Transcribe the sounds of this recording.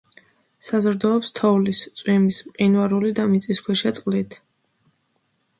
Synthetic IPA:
sazɾd̪ɔːpst̪ʰɔvlist̪sʼwimismqʼinwaɾulid̪amit̪sʼiskʰwɛʃɛt̪sʼqʼlit̪ʰ

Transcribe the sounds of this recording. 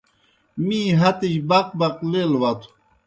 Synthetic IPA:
mĩːɦɐt̪iɕbɐq̚bɐqlelwɐt̪ʰu̥

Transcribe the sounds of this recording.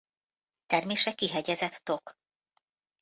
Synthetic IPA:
t̪ɛrmeːʃɛkːiɦɛɟɛzɛt̪ːo̞k

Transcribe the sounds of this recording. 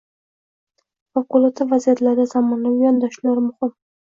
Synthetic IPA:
fɑqʊlˠat̪ʰɪvazijat̪laɾd̪azamɒnaʊjɒnd̪ɒʃlaɾmʊhɪm

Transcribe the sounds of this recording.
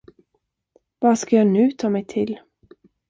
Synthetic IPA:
vɑːskɑjɑːnʉːt̪ʰɑːmɛɪt̪ʰɪl

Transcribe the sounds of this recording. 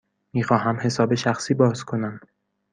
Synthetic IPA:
miːxɒːɦæmhe̞sɒːbeʃæxsiːbɒːz̥kʰo̞næm

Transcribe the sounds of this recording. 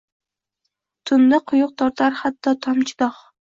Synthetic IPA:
t̪ʰʊnd̪aqʰʊjʊq̚t̪ʰɒɾt̪ʰaɾhat̪ʰːɒt̪ʰɒmt͡ʃʰɪd̪ɒh

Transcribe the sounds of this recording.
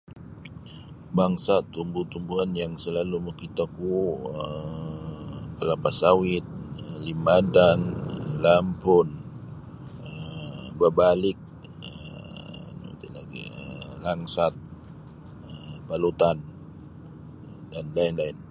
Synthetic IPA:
baŋsat̪umbut̪umbuɦanjaŋsəlaluməkit̪akuə | kəlapasawɪt̪̚əlimadaŋəlampʊn | əbəbalɪk̚ | ə | n̰t̪ilaɡḭə̰əlaŋsat̪̚ | əpalut̪an | danlainlaɪn

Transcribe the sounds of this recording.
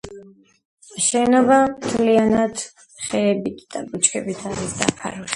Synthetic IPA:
ʃɛnɔbamt̪ʰlianad̪̥ | χɛːbit̪ʰd̪̥abut͡ʃʰkʰɛbit̪ʰaɾisd̪a̰pʰa̰ɾui

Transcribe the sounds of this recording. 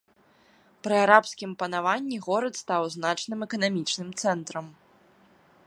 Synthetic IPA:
pɾɨaɾapsʲkʲimpɐnavanʲːiɣɔɾɐt̪st̪awznat͡ʂnɨmɛkɐnamʲit͡ʂnɨmt̪sɛnt̪ɾɐm

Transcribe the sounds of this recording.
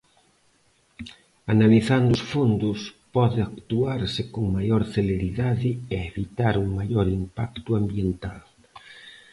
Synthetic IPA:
analiθand̪ʊsfond̪ʊspɔðɪakt̪uaɾsɪkoŋmajoɾθeleɾiðaðɪeeβit̪aɾuŋmajoɾimpakt̪ʊambjent̪al

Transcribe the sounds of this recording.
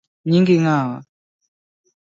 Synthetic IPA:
ɲiŋɡiŋaːwa̰

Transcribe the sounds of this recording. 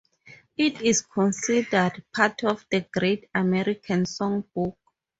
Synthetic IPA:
itʰiskʰɔ̃nsidədpʰatʰɔfdəɡɹetamɛɹikʰãnsɔ̃ŋbuk̚

